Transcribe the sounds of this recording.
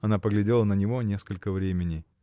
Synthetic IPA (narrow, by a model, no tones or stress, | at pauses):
ɐnapəɡlʲɪdʲe̞lˠənənʲɪvo̞nʲe̞skəlʲkəvɾʲemʲɪnʲɪ